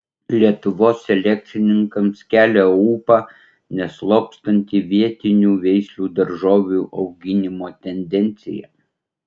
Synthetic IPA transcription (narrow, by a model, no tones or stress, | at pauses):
lʲiɛt̪ʊʋoːsːɛlʲɛk̚ʲt̪sʲɪnʲɪŋkɐmskʲæːlʲɛuːpɑ | nʲɛslˠoːkst̪ɐnʲt̪ʲiːʋʲiɛt̪ʲɪnʲuːʋʲɛɪsʲlʲuːd̪ɐɾʒoːʋʲuʔɐʊɡʲɪnʲɪmoːt̪ʲɛnʲd̪ʲɛnʲt̪sʲɪ̰jɛ̰